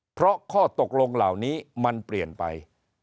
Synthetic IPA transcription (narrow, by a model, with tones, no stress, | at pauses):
pʰɾɔ˦˥ʔkʰɔː˥˩t̪o˨˩k̚lo˧ŋlaː˨˩wniː˦˥ma˧npli˨˩ənpa̰˧j